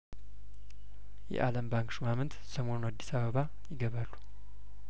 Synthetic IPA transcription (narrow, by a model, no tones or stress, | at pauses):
jɛ̰ʔaləmbaŋkʃumamɨnt̪səmo̞nuad̪ːisaβəβa | jɪɡəβalːu̥